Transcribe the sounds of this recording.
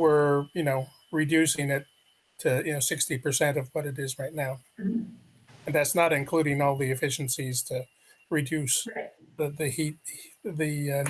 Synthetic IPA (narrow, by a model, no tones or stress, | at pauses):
wɪɹjɨnoʊ | ɹidʉsɪ̃ŋɪtʰ | ɨjɨnoʊsɪkstipə˞sɛ̃ntʌvwʌɾɨɾɪzɹaɪtⁿnaʊ | ɨ̃nðætsnəɾɨ̃nkʰl̥ʉɾɪ̃ŋɔlˠðiɨfɪʃn̩siz̥tʰɨ | ɹɨdʉsðɨðɨhit̚ðɨ